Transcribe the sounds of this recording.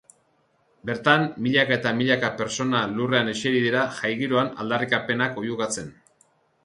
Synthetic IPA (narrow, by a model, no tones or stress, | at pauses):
be̞ɾt̪ammiʎakae̞t̪amiʎakape̞ɾt͡so̞nalure̞ane̞t͡ʃeɾiðiɾaʝajɣiɾoana̰ld̪arikape̞nako̞juɣat͡se̞n